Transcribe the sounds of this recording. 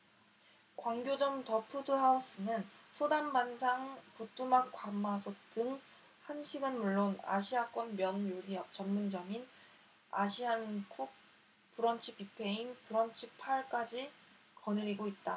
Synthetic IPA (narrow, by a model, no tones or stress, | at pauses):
kwaŋɡjod͡ʑʌmtʌpʰudɯɦaus͈ɯnɯnsʰodambansʰaŋput͈umakk͈wamasʰot͈ɯŋ | hanɕʰiɡɯnmuɭːona̰ɕʰiak͈wʌnmjʌnjoɾiʌt͡ɕʌmmːund͡ʑʌmin | a̰ɕʰiankʰuk̚ | puɾʌnt͡ɕʰɯpipʰe̞inpuɾʌnt͡ɕʰipʰaɭk͈ad͡ʑi | kʌnɯɾiɡoit̚t͈a